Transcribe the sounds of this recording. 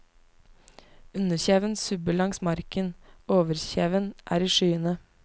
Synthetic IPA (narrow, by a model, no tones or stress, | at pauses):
ʉnəçeːʋənsʉbəɭɑŋsmɑɾkənoːʋəɾçeːʋənʔæ̰ːɾiːʃyːənə